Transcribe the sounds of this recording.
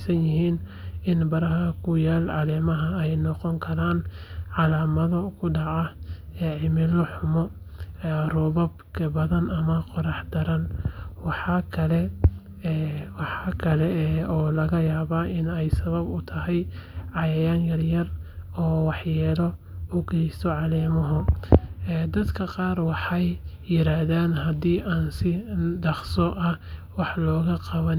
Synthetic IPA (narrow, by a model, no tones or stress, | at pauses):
sɐnjɪɦiːnɪnbɐɾɐɦɐkʰʊjaːlʕɑlɛːmɐɦɐɛjnɔqɔŋkʰɐɾaːnʕɑlaːmɐðɐkʰʊɖɑʕɐɛːʕɪmɪlɔħʊmɔ | rɔβɔbkʰɐbɐðɐnɐmɐqɔɾɑħd̪ɐɾɐnwɑħɑkʰɐlɛ | wɑħɑkʰɐlɛɔːlɐɣɐjaːβaːʔɪnɛjsɐβɐbʊt̪ʰɐɦɛjʕɑjɛjaːnjɐrjɐrɔːwɑħjɛːlɔ | ʊɡɛjst̪ʰɔʕɑlɛːmɔɦʊ | ɛd̪ɐd̪kʰɐqɑːrwɑħɑjː | ɪɾaːhðaːnɦɐd̪iːʔaːnsɪdɑχsɔʔɐ | wɑħlɔːɣɐqɑβɐn